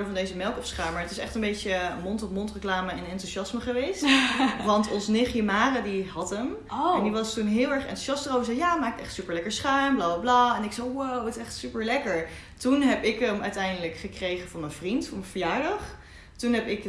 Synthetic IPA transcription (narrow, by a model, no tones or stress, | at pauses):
ɹdəvɑndejzəmɛlˠkɔfsχaːməɹətɪsɛ̰χtəmbejcəmontɔfmontrəklaːməɛnɛntusɑsməχəʋejstʋɑntɔnsənɪχjəmaːrədiɦɑtəm | ɛndiʋɑstunɦɪːlˠɛɹχɛ̰ntu̥ʃɑstərowvəzɛjjaːmaːk̚tɛχtsypəɹlɛkəɹsχaɥmblaːbablaːɛnɪksɛjwowətsɛχtsypəɹlɛkəɹ | tunɦɛpɪkəmœɥtɛjndələkχəkrejχənvɑnmənvrintfɔnməvəjaːɹdɑχ | tunɦɛpɪk